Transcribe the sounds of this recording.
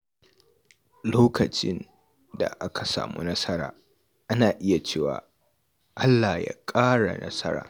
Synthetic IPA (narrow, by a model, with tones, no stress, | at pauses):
loː˦kʰɐ˨t͡ʃɪ˦n | da̰˨ʔa˦kʰa˨sa̰ː˨mu˦nɐ˦sɐ˦ɾa̰ː˨ | ʔa˦naː˨ʔɪ˦ja˨t͡ʃeː˦˨wa̰ː˨ | ʔa˦lːa˨ja̰˦kʼaː˦ɽa̰˨nɐ̰˦sɐ˦ɾa̰ː˨